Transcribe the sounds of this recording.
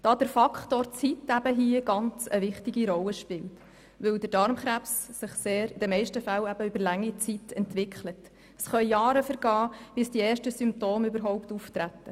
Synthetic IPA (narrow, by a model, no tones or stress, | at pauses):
d̥ɑːdəɾfɑkχtoːɾt͡sitæbəɦiəɡ̥ɑnt͡səʋɪχtiɡiɾɔlːəʃpɪlt | ʋɵldəɾdɑɾmχɾæpssɪχseːɾɪd̥̪əmɛɪʃtəfælæb̥əʏbəɾlæŋːit͡sitɛntvɪkʰχlət | əsχœʏjɑːɾəfəɾɡ̥ɑːb̥ɪsd̥iɛːɾʃtəsymp̚toːmybəɾɦɔʊpt̪uft̪ɾæt̪ːə